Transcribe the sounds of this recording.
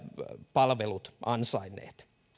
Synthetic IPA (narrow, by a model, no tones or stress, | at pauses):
pɑlʋelut̪ʔɑnsɑinːˑḛːt̪